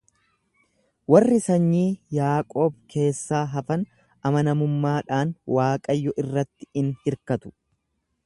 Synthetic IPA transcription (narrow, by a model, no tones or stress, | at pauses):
wɐrːɪsɐɲːiːjaːkʼo̞ːbkʰe̞ːsːaːɦɐfɐn | ɐmɐnɐmʊmːaːᶑaːnwaːkʼɐjːɔʔɪrːɐt̪ːɪ̥ɪnhɪɾkɐt̪ʊ̥